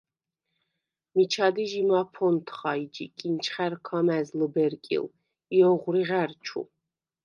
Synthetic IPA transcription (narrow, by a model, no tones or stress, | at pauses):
mit͡ʃʰad̪iʒimapʰɔnt̪ʰχaid͡ʒḭkʼint͡ʃʰχɛɾkʰamɛzləbɛɾkʼḭl | iɔʁɾiʁɛɾt͡ʃʰṵ